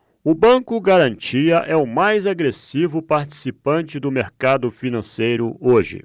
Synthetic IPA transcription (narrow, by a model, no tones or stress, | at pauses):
ʊbɐ̃kʊɡaɾɐ̃nt͡ʃiɐʔɛʊmajzaɡɾesivʊpaɾt͡ʃi̥sipɐ̃nt͡ʃɪd̪ʊmeɾkad̪ʊfinɐ̃sejɾʊoʒɪ̰